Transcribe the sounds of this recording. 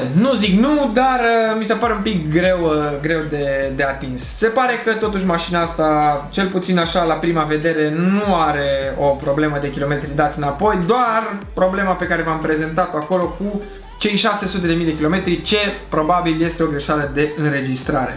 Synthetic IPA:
nuziknud̪arəmisepaɾe̞umpikɡɾe̞wɡɾe̞wd̪e̞d̪eat̪insːe̞paɾe̞kət̪o̞t̪uʃ̬maʃinaast̪at͡ʃe̞lput̪sinaʃalapɾimave̞d̪e̞ɾe̞nuaɾe̞o̞pɾo̞bleməd̪e̞kʲilo̞me̞t̪ɾid̪at̪sʲɨnapo̞jd̪oarpɾo̞ble̞mape̞kaɾe̞vampɾe̞ze̞nt̪at̪oako̞lo̞ku | t͡ʃe̞jʃase̞sut̪̬e̞d̪e̞mijd̪e̞kʲilo̞me̞t̪ɾit͡ʃe̞pɾo̞babilje̞st̪eo̞ɡɾe̞ʃaləd̪e̞ɨnɾe̞d͡ʒist̪ɾaɾe̞̰

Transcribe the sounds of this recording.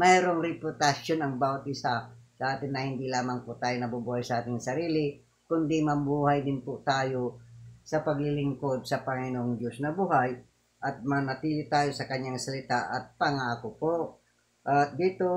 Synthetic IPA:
mɛjɾoŋɾɪpʊt̪asonɐŋbaːwat̪̚ʔɪsasɐʔaːt̪ɪnːɐhɪnd̪ilaːmaŋpʊt̪aːjonɐbubuːhajsɐʔaːt̪ɪŋsɐɾiːlɪ | kʊnd̪ɪmɐbuːhajd̪ɪnpʊt̪aːjosɐpɐɡlɪlɪŋkod̪̚sɐpɐŋɪnoŋd̪josnɐbuɦaj | ʔɐt̪̚mɐnɐt̪iːlɪt̪aːjosɐkɐɲjaŋsɐlɪt̪aʔɐt̪̚pɐŋaʔakopoʔ | ʔat̪̚d̪it̪o

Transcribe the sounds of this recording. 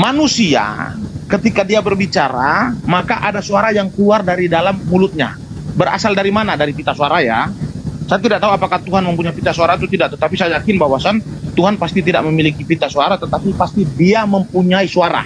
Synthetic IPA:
manusia̰kət̪ikadiabərbit͡ʃaɾa̰makaʔadasuaɾajaŋkəluardaɾidalamːulʊt̪̚ɲa̰ | bəɾa̰saldaɾimanadaɾipit̪asuaɾajasajat̪idaʔt̪auapakat̪uɦanməmpuɲaipit̪asuaɾat̪ut̪idaʔt̪ət̪apisajajakɪnbawasant̪uɦanpast̪it̪ida̰ʔməmilikipit̪asuaɾat̪ət̪apipast̪idiaməmpuɲaisuaɾa̰

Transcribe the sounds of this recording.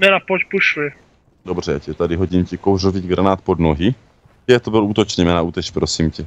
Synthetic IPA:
nɛnapocpuʃɪ | dobr̝ɛcɛt̪adɪɦoɟimcɛkowroviːɡɾanaːt̪̚pod̪noɦi | ɛt̪obɪluːt̪ot͡ʃnɛmɛnauːt̪ɛt͡ʃpɾosimcɛ

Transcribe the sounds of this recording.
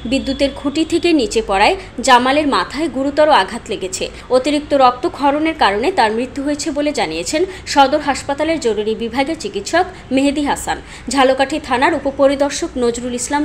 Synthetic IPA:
bid̪ːut̪eɾɡʱuʈit̪ʰekenit͡ɕepɔɽaed͡ʑamaleɾmat̪ʰaeɡuɾut̪ɔɾoaɡʱat̪leɡet͡ɕʰḛ | ot̪iɾik̚t̪oɾɔk̚t̪oɡʱɔɾoneɾkaɾonet̪aɾmɾit̪ːuɦoet͡ɕʰeboled͡ʑaniet͡ɕʰenʃɔd̪oɾɦaʃpat̪aleɾd͡ʑoɾuɾibibʱaɡet͡ɕikit̪ʃɔk | meɦd̪iɦasan | d͡ʑʱalokaʈʰit̪ʰanaɾupopoɾid̪ɔɾʃoknod͡ʑɾulislam

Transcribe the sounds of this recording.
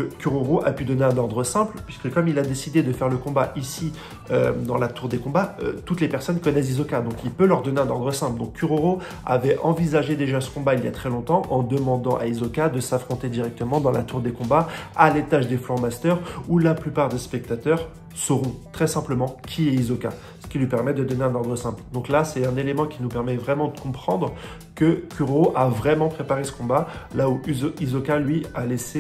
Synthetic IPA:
kəkʲyʁoʁoʔapyd̪ɔneɛ̃nɔʁd̪ʁəsɛ̃plpɥiskəkɔmilad̪esid̪ed̪əfɛʁləkɔ̃baʔisi | ød̪ɑ̃lat̪uʁd̪ekɔ̃baø̰t̪ut̪lepɛʁsɔnkɔnɛs̬izɔkad̪ɔ̃kilpølœʁd̪ɔneɛ̃nɔʁd̪ʁəsɛ̃pld̪ɔ̃kːyʁoʁo | a̰vɛʔɑ̃vizaʒed̪eʒasə̥kɔ̃bailja̰t̪χɛlɔ̃t̪ɑ̃ʔɑ̃d̪əmɑ̃d̪ɑ̃ʔa̰izɔkad̪əsafχɔ̃t̪ed̪iʁɛk̚t̪əmɑ̃d̪ɑ̃lat̪uʁd̪ekɔ̃baalet̪aʒd̪eflɔʁmast̪œʁulaplypaʁd̪espɛk̚t̪at̪œʁ | səʁɔ̃t̪χɛsɛ̃pləmɑ̃kʲʰiɛizɔka̰ | sə̥kʲilɥipɛʁmɛd̪əd̪ɔneɛ̃nɔʁd̪ʁəsɛ̃pld̪ɔ̃klasɛt̪ɛ̃nelemɑ̃kʲinupɛʁmɛvʁɛmɑ̃d̪əkɔ̃pχɑ̃d̪ʁ | kəkʲʰyʁoʔavʁɛmɑ̃pχepaʁesə̥kɔ̃balauizɔkalɥialese

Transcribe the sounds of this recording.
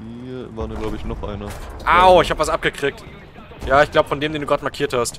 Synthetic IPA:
viːvaːʁniːɡlaʊbəɪçnɔχʔa̰ɪnɐʔaʊɪçhaːbəvasʔap̚ɡ̥əkʁ̥iːk̚t | jaːɪçɡ̥laʊbəfɔndeːmdeːnduːɡʁaːtmaɐkʰiːɐthast

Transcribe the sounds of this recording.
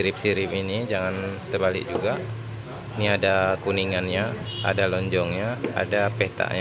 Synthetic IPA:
iɾɪp̚siɾɪpinid͡ʒaŋant̪əbalɪ̰k̚d͡ʒuɡa | niadakuniŋanɲaa̰dalɔɲd͡ʒɔŋɲaa̰dapɛt̪a̰ʔɲ

